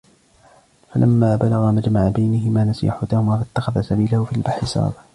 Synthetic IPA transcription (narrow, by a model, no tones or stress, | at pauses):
falʔamːaːbalɑɣamad͡ʒmaʕabajnɪhɪmaːnasɪjʔaħʊt̪ahʊmaːfat̪ːaxaðasabiːlahʊfiːlbaħɪsɑ̰ːb